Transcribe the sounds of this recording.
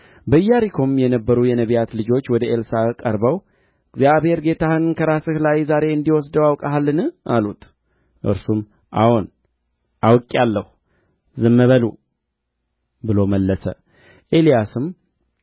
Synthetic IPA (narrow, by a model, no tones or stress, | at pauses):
bəjːaɾikʰo̞mjɛnəbːəɾujɛnəβijat̪lɨd͡ʒo̞t͡ʃːwɔd̪əʔe̞lsakʼəɾbəw | ɨɡzjabhe̞ɾɡe̞t̪ʰahɨnkʰəɾasɨhlajzaɾe̞ɨnd̪iwɔs̬d̪əwawkʼaɦalːɨnɨʔalut̪ʰ | ʔɨ̰ɾsum | ʔa̰hon | ʔawkʼːalːəhu | zɨmːəβəlṵ | bɨlo̞məlːəsə̰ | ʔe̞lijasɨm